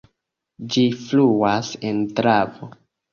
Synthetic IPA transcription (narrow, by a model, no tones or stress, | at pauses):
d͡ʒifluasentɾavo